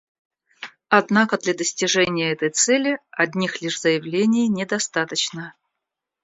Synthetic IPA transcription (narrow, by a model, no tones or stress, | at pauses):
ɐd̪nakəd̪lʲad̪əsʲtʲɪʐɛnʲɪjəɛt̪əjt̪sɛlʲɪɐd̪ʲnʲixlʲiʂz̥əjɪvlʲenʲɪjnʲɪd̪ɐst̪at̪ət͡ɕnə